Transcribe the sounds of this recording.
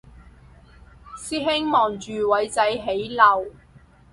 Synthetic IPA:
siː˥ɦɪ˥ŋmɔː˨˩ŋt͡ʃyː˨wɐ˨˥jt͡sɐ˨˥jɦe˨˥jlɐ˨˩w

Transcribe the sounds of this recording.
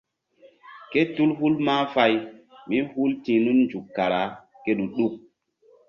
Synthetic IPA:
ke˦tu˦lɦu˦lma˦fa˦jmi˦hu˦ltĩː˨nu˦nnd͡ʒu˨kːa˨ɾa˨˦ | ke˦ɗu˨ɗu˦k̚

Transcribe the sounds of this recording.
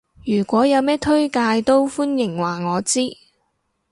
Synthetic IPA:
jyː˨˩kʷɔː˨˥jɐ˨˧wmɛː˥t̪ʰɵ˥ɥkaː˧jt̪o˥wfuː˥njɪ˨˩ŋwaː˨˩ŋɔː˨˧t͡siː˥

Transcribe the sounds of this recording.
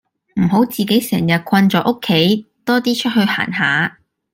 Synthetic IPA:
m̩˨˩ɦo˨˥wt͡siː˨ke˨˥jsɛ̰ː˨˩ŋjɐ˨t̚kʰɐ˧nt͡sɔː˨˥ʔo˥kʰːe˨˥jt̪ɔː˥t̪iː˥t͡ʃʰɵ˥t̚ɦɵ˧ɥha̰ː˨˩nɦaː˨˥

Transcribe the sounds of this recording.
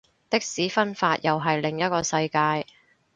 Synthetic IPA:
t̪ɪ˥k̚siː˨˥fɐ˥nfaː˧t̚jɐ˨wɦɐ˨jlɪ˨ŋjɐ˥t̚kɔː˧sɐ˧jkaː˧j

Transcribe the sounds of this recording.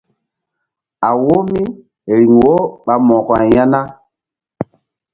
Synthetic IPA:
a˨wo˦mi˦ | ɾi˨ŋwo˦ɓa˨mɔ̃˨kɔ˨a˨ja˦na˦

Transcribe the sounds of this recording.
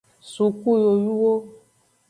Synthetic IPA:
su˨ku˦˨jo˨ju˦wo˦

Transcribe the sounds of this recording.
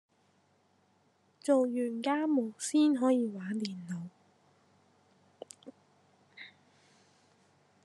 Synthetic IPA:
t͡so˨wjyː˨˩nkaː˥mo˨˩wsiː˥nɦɔː˨˥jiː˨˧waː˨˥nt̪iː˨˩nlo˨˧w

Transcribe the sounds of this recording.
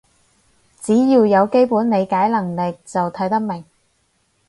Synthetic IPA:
t͡siː˨˥jiː˧wjɐ˨˧wke˥jpuː˨˥nne˨˧jkaː˨˥jlɐ˨˩ŋlɪ˨k̚t͡sɐ˨wt̪ʰɐ˨˥jt̪ɐ˥k̚mɪ˨˩ŋ

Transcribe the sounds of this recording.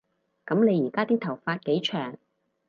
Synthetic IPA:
kɐ˨˥mne˨˧jiː˨˩kaː˥t̪iː˥t̪ʰɐ˨˩wfaː˧t̚ke˨˥jt͡ʃʰœː˨˩ŋ

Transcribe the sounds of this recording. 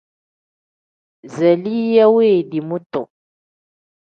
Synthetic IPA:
zɛ˨li˦ja˦weː˦˨di˨mu˦tɔ̰˨

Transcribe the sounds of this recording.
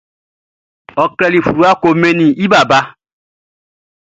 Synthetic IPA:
ɔ˨kɾɛ˦li˨fu˨ɾu˦a˦ko˨me˦nĩ˨i˦ba˨ba˦

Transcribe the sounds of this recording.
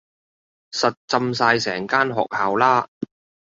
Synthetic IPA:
sɐ˨t̚t͡sɐ˧ms̬aː˧jsɛ̰ː˨˩ŋkaː˥nɦɔ̰ː˨k̚haː˨wlaː˥

